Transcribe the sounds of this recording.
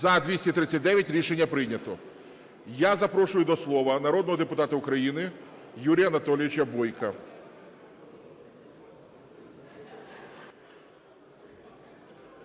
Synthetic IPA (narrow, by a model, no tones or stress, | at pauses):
ɐd̪ʲʋʲisʲtʲit̪ɾɪt͡sʲːɐtʲd̪ɛʋʲjɐtʲɾʲiʃenʲːɐpɾɪnʲɐt̪ɔ | jazɐpɾɔʃʊjʊd̪ɔslˠɔʋɐnɐɾɔd̪nɔɦɔd̪epʊt̪ɑt̪ɐʊkɾɐjinɪ | juɾʲijɐnɐt̪ɔlʲɪʋʲɪt͡ʃʲɐbɔjkɐ